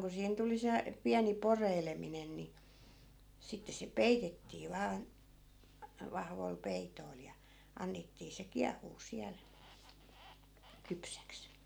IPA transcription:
ku siːhen tuli se piæni poreileminen ni sitːe se peitetːiː ʋɑːn̞ ʋɑhʋoi̯l pei̯toi̯l jɑ ɑnːetːiː se kiɑhˑuː siæl kypsæks

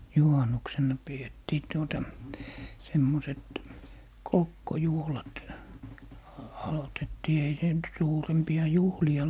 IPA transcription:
juhɑnːuksenːɑ pietːiː tuotɑ semːoset kokːojuhlɑt ɑ ɑlotetːiː ei se nyt suːrempiɑ juhliɑ

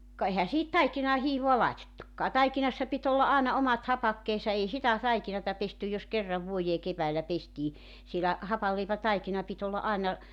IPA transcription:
kɑ ehæ sihit tɑikinɑː hiːʋoɑ lɑetetːukːɑː tɑikinɑsːɑ pit olːɑ ʔɑˑenɑ omɑt hɑpɑkːeːsɑ ei sitæ tɑikinɑtɑ pestyj jos kerːɑʋ ʋuojeː keʋæːlːæ pestiː sielæ hɑpɑlːeipætɑikinɑ pit olːɑ ʔɑenɑ

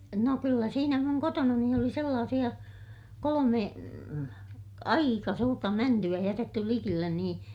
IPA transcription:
no kylːæ siːnæ muŋ kotonɑni oli selːɑːsij̆ɑ kolome ɑikɑ suːrtɑ mæntyæ jætetːy likilːen niː

